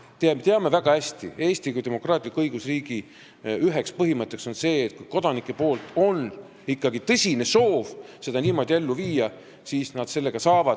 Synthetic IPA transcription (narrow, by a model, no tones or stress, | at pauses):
t̪et̪eɑme̞væɡ̥ɑæsʲt̪ḭe̞ːst̪ikujd̪e̞mo̞krɑːt̪ʲˑilikːɤjɡ̥usriːɡ̥i | yɦe̞kspɤɦimɤt̪ːˑe̞kso̞nse̞ːt̪̚kujko̞d̪̥ɑnikːˑe̞po̞ːlt̪ˑo̞n | ikːɑɡit̪ɤsʲine̞so̞ːvse̞d̪ɑniːmo̞d̪ʲie̞lːuviːjɑ | siːsnɑd̪̥se̞lːe̞ɡ̥ɑsɑːvɑd̪̥